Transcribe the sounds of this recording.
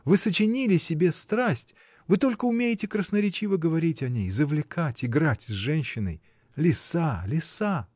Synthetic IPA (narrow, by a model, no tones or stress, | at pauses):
vɨsət͡ɕɪnʲilʲɪsʲɪbʲe̞st̪ɾasʲtʲ | vɨt̪o̞lʲkəʊmʲejɪtʲɪkɾəsnəɾʲɪt͡ɕivəɡəvɐɾʲitʲɐnʲejzəvlʲɪkʰatʲɪɡɾatʲzʐɛnʲɕːɪnə̰j | lʲɪsalʲɪsa